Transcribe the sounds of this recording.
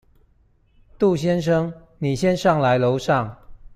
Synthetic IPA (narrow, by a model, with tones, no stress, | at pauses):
t̪u˥˨ɕjɛ˦˥nʂ̬ɤ˦ŋ | ni˨˩ɕjɛ˦nʂɑ˥˩ŋla˧˦ɪlo˨˧˦ʊʂɑ˥˨ŋ